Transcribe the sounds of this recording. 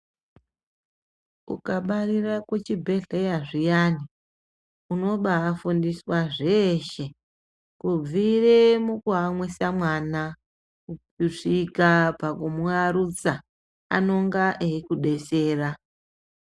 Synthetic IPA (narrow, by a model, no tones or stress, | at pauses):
ṵkaɓarirakwet͡ʃibʱe̞ɮejaʐijani | uno̞ɓaːfundiswaʐeʃe | kub͡viremukuɦamwisamwana | ku | iʂikapakumuaɾut͡sa | a̰no̞ŋɡaʔeikuɗe̞se̞ːra